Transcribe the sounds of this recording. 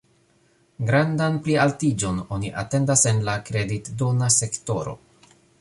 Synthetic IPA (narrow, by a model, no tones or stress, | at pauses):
ɡɾandanplialtid͡ʒo̞no̞niʔa̰te̞ndase̞nlakɾe̞ditdonase̞kto̞ɾo̞̰